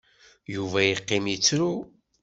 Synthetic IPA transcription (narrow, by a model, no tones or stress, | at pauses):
juvæjəqːɪmjit͡sːɾu